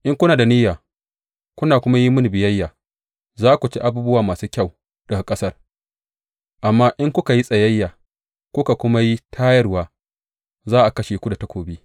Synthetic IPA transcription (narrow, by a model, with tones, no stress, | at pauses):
ʔɪ˦ŋkʷʊ˦naː˨da˨niː˦jaː˨ | kʷʊ˦naː˨kʷʊ˦ma˦ji˦mʊ˦n˨bɪ˨jɐ˦jːaː˨ | zaː˦kʷu˨t͡ʃi˦ʔa˦buː˦bʊ˦waː˨maː˨suː˦kʲa˦˨w | d̥ɐ˨a˨kʼɐ˦sɐ˦˨r | ʔa˨mːaː˦ʔɪ˦ŋkʷʊ˦ka˨ji˦sʼɐ˨jɐ˦jːaː˨ | kʷʊ˦ka˨kʷʊ˦ma˦ji˦tʰaː˦jɐ˦rwaː˨ | zaː˦ʔa˨kɐ˦ʃeː˨kʷu˦da˨ta˦kʷoː˨biː˦